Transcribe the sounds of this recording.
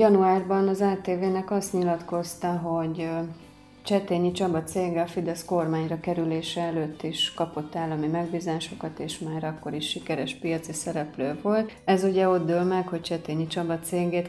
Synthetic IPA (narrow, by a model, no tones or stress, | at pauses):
jɒnuaːrbɒnɒzaːt̪eːveːnɛkɒst̪ɲilɒt̪ko̞st̪ɒɦo̞ɟ | t͡ʃɛt̪eːɲit͡ʃɒbɒt̪seːɡɛɒfid̪ɛsko̞rmaːɲrɒkɛɾyleːʃɛɛløːt̪ːiʃkɒpo̞t̪ːaːlːɒmimɛɡbiːzaːʃo̞kɒt̪eːʃmaːɾɒkːo̞ɾiʃːikɛɾɛʃpijɒt̪sisɛɾɛpløːvo̞lt̪ɛzuɟɛo̞d̪d̪øːlmɛkho̞ct͡ʃɛt̪eːɲit͡ʃɒbɒt̪seːɡeːt̪